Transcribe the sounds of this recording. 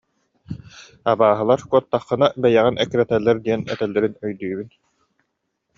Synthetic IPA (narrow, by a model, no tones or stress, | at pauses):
abaːɦɯlˠaɾkuɔt̪ːaχːɯ̆nabɛjɛʁinʔɛkːɾɛt̪ɛlːɛɾd̪iɛnɛ̰t̪ɛlːɛɾinœjd̪yːbyn